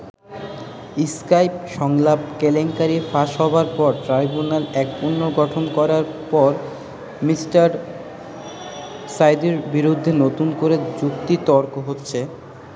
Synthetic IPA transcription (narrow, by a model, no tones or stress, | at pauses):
iskajp̚ʃɔŋlab̚keleŋkaɾifaʃɦɔbaɾpɔɾʈɾajbunalɛkunːoɡɔʈʰonkɔɾaɾpɔɾ | misʈaɾ | sajd̪eɾbiɾud̪ʱːenot̪unkoɾed͡ʑukt̪it̪ɔɾkoɦotːɕʰe